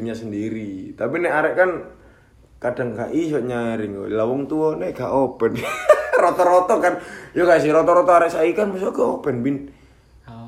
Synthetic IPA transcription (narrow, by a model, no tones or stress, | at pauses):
ɲasəndiɾit̪apinɛaɾɛʔkan | kadaŋkaʔisɔʔɲaɾɪŋɡɔ̰lawɔŋt̪uɔnɛɡaʔopɛnrot̪ɔɾot̪ɔkanjokas̬iɾot̪ɔɾɔt̪ɔaɾɛʔsaikanmasɔɡaopɛnbin